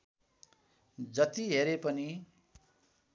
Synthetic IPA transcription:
d͡zʌt̪iɦeɾepʌni

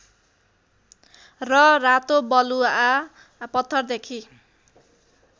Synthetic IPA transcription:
rʌrat̪obʌlua | pʌt̪ʰːʌrd̪ekʰi

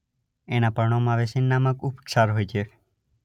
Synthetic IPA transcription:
enapəɾɳ̃omãʋesinːaməkupsaɾɦojt͡ʃʰe

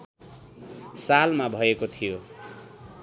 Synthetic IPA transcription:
salmabʱʌekot̪ʰijo

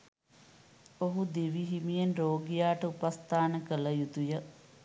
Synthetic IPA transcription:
oɦud̪eʋiɦimijenroːɡijaːʈəupast̪aːnəkələjut̪ujə

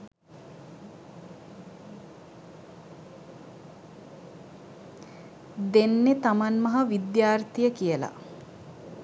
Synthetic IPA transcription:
d̪enːet̪amanmɐɦɐʋid̪jaːrt̪ijəkijəla̰

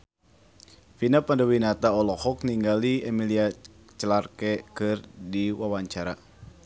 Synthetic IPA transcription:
finapandawinat̪aɔlɔhɔk̚niŋɡaliemilia | t͡ʃəlarkɛkɨrdiwawaɲt͡ʃaɾa̰

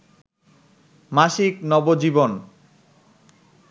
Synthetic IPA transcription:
maʃiknɔbod͡ʑibon

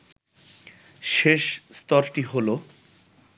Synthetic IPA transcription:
ʃeʃst̪ɔɾʈiɦolo

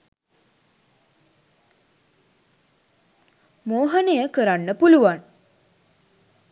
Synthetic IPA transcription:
moːɦanejəkəɾanːəpuluʋan

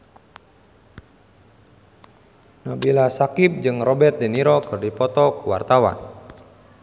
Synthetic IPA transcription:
nɔbilasakɪp̚d͡ʒɨŋrɔbɛt̪̚dɛniɾɔkɨrdipɔt̪ɔkuwa̰rt̪awa̰n

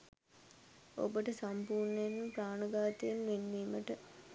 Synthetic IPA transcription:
o̰bəʈəsampuːrɳəjenːpraːnəɡaːt̪ejenʋenːiːməʈə

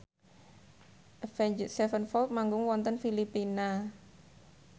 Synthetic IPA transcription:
ʔfɛɲd͡ʒsɛfənfɔlt̪̚maŋɡʊŋwɔnt̪ənfilipina

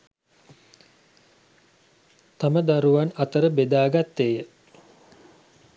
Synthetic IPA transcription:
t̪aməd̪aɾuʋanat̪əɾəbed̪aːɡat̪ːejə

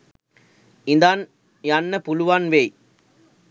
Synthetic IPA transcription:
ɪnd̪aːn | janːɐpʊlʊʋaːnʋeːj

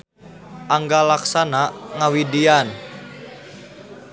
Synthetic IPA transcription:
ʔaŋɡalaksanaŋawidian

